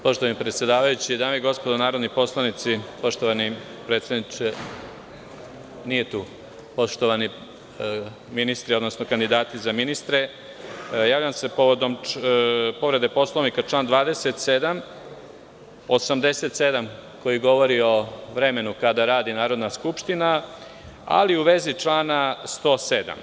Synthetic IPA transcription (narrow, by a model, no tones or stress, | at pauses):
po̞ʃt̪oʋanipɾet̪sʲje̞d̪aːʋajut͡ɕid̪aːmeiɡo̞spo̞d̪onaːɾo̞d̪nipo̞slˠanit̪sipo̞ʃt̪o̞ʋani | pɾet̪sjed̪nit͡ʃe | nije̞t̪uː | po̞ʂt̪oʋani | minist̪ɾio̞d̪no̞snokand̪id̪aːt̪izaminist̪ɾe̞ | jaːʋʎamse̞po̞ʋo̞d̪o̞m | po̞ʋɾe̞d̪epo̞slˠoʋnikat͡ʃlˠaːnd̪ʋaːd̪e̞set̪sed̪am | osamd̪e̞se̞t̪se̞d̪amko̞jiɡo̞ʋo̞ɾio̞ʋɾe̞me̞nukad̪aɾaːd̪inaːɾo̞d̪naskupʃt̪ina | a̰liuʋe̞ziʈ͡ʂlaːnast̪o̞ːsed̪a̰m